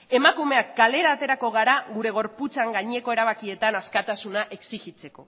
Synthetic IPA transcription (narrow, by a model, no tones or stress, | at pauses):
e̞makume̞akːale̞ɾaːt̪e̞ɾako̞ɣaɾaɣuɾe̞ɣ̞o̞ɾput͡saŋɡaɲe̞ko̞e̞ɾaβ̞akie̞t̪anaskat̪asunaʔe̞ksiɣit͡se̞ko̞